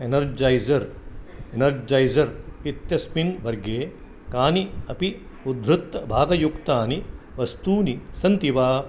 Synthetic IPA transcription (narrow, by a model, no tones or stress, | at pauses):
enɐɾd͡ʒaːjzɐɾenɐɾd͡ʒaːjzɐɾit̪jɐsminʋɐɾɡeː | kaːniɐpi | ud̪ʱɾut̪ːɐbʱaːɡɐjukt̪aːni | ʋɐst̪uːnisɐnt̪iʋaː